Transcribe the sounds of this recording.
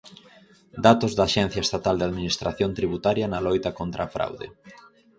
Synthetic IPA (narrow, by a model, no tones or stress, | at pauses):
d̪at̪ozðɐaʃɛn̟θjɐest̪at̪ald̪eaðminist̪ɾaθjont̪ɾiβut̪aɾjɐnɐlojt̪ɐkont̪ɾafɾa̰wðḛ